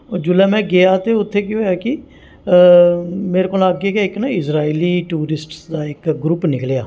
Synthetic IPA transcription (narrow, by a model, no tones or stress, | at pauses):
od͡ʒʊlɛːmɛ̃ːɡɪjaːt̪eːʊt̪ʰːeːkɪɦoːjaːkɪ | meːɾekoːlaːɡːkeːɪknaɪsɾaːiːliːʈuːɾɪsʈsd̪aːɪkɡɾupnɪklejaː